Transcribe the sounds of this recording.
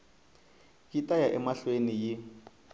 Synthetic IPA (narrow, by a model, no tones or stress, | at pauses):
kitʼajaʔɛmaɬweniji